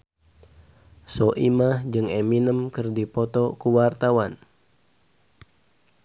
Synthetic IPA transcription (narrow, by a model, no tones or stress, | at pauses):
sɔʔimahd͡ʒɨŋeminəmkɨrdipɔt̪ɔkuwart̪awan